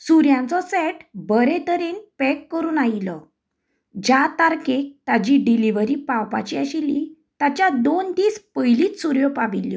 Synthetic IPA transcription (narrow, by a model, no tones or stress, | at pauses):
suɾjãnt͡sɔsɛʈbəɾɛt̪əɾenpɛkːəɾuːnailɔ | d͡ʑat̪aɾkek̚t̪ad͡ʑiɖiliʋəɾipãwpa̰t͡ɕiaɕili | t̪at͡ɕjad̪ont̪iːspəjliːt͡s̪suɾjɔpaʋiljɔ